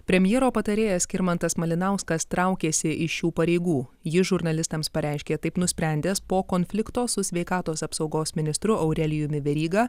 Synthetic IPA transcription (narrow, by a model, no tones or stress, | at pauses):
pʲɾʲɛmʲjɛːɾoːpɐt̪ɐɾʲeːjɛsʲkʲɪɾmɐnt̪ɐsmɐlʲɪnɐˑʊskɐst̪ɾɐˑʊkʲeːsʲɪʔɪʃjuːpɐɾʲɛɪɡuːjɪʒʊɾnɐlʲɪst̪ɐmspɐɾʲæɪʃʲkʲeːt̪ɐɪpnʊsʲpʲɾʲæˑnʲd̪ʲeːspoːkonʲfʲlʲɪkt̪oːsʊsʲʋʲɛɪkɑːt̪oːsɐpsɒʊɡoːsmʲɪnʲɪst̪ɾʊʔɐʊɾʲɛlʲɪjʊmʲɪʋʲɛɾʲiːɡɑ